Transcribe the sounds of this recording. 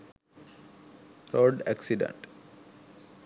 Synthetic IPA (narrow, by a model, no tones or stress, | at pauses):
ɾoɖæ̰ksiɖḛ̃ɳʈ